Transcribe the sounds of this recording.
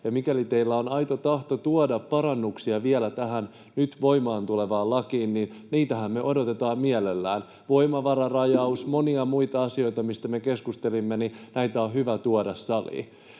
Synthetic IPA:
jɑmikælit̪eilːæo̞nɑjt̪ot̪ɑht̪ot̪uodɑppɑɾɑnːuksiɑʋielæt̪æɦæn | nyt̪ʋo̞imɑːnt̪uleʋɑːlɑkiːnninniːt̪æɦæmmeʔo̞do̞t̪e̞t̪ɑːmmielelːæːn | ʋo̞imɑʋɑɾɑrɑjɑusmo̞niɑmuit̪ɑɑsio̞it̪ɑmist̪æme̞keskust̪e̞limːeninæit̪æohyʋæt̪uodɑsːɑlḭː

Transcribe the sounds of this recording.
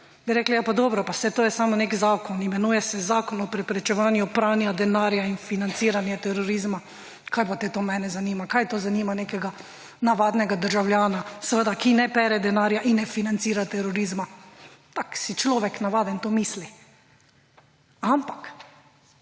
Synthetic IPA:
biɾɛːklajapad̪ɔːbɾɔpasɛt̪oːjɛsaːmɔneːkzaːkɔnimɛnuːjɛsɛzaːkɔnɔpɾɛpɾɛt͡ʃɛʋaːnjupɾaːnjad̪ɛnaːɾjainfinant̪siːɾanjɛt̪ɛɾɔɾiːzma | kʰajpat̪ɛt̪oːmɛːnɛzaniːmakajt̪oːzanimaneːkɛɡa | naʋaːd̪nɛɡad̪əɾʒawljaːnasəʋəd̪akinɛpɛːɾɛd̪ɛnaːɾjaʔinːɛfinant̪siːɾat̪ɛɾɔɾiːzmat̪aksit͡ʃlɔːʋɛknaʋaːd̪ɛnt̪omiːsli | ampḁk

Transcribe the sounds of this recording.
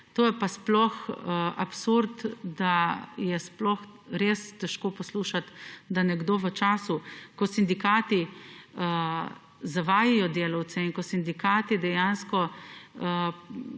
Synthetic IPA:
t̪oːjɛpasplɔxapsuɾt̪d̪ajɛsplɔxɾeːst̪ɛʃkoːpɔsluːʃat̪d̪anɛɡd̪oːʋət͡ʃaːsukɔsind̪ikaːt̪iə | zaʋaːjijɔd̪eːlɐw̪sɛiŋkɔsind̪ikaːt̪id̪ɛjanskɔə

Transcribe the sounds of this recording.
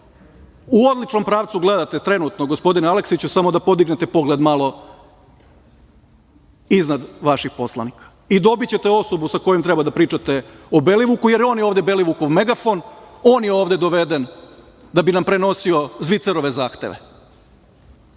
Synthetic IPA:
uod̪lˠit͡ʃno̞mpɾaːʋt̪suɡle̞d̪at̪e̞t̪ɾe̞nut̪noɡospo̞d̪inaleksit͡ɕusamo̞d̪apo̞d̪iɡnet̪epo̞ɡled̪malˠo̞ | iznad̪ʋaʃixpo̞slˠanikḁ | id̪o̞bit͡ɕe̞t̪e̞o̞so̞busako̞jemt̪ɾebad̪apɾiːt͡ʃat̪e̞obeliʋukujeɾjoːnjeoːʋd̪ebe̞liʋuko̞ʋmeɡafo̞noːnjeoːʋd̪e̞d̪o̞ʋe̞d̪en | d̪abinampɾe̞no̞sio̞zʋit̪seɾo̞ʋe̞zaːxt̪ḛʋḛ

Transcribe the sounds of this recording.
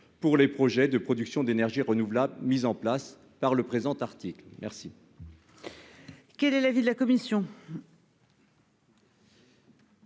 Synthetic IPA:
puʁlepχɔʒɛd̪əpχɔd̪yksjɔ̃d̪enɛʁʒiʁənuvlablmizɑ̃plas | paʁləpχezɑ̃t̪aʁt̪iklmʔɛʁsi | kʲɛlɛlavid̪əlakɔmisjɔ̃

